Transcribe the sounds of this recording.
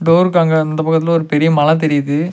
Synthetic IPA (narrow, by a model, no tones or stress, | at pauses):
ɖoːɾɯkːaːŋɡɐɪnd̪ɐpɐkːɐt̪ːɪlɔɾɯpɛɾɪjɐmɐlɐ̃t̪̬ɛɾɪjɐðɯ